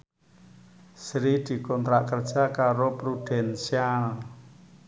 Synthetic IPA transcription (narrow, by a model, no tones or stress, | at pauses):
sɾid̪̥i̤kɔnt̪ɾaʔkərd̥ʒ̥a̤kaɾopɾud̪̥ɛnsial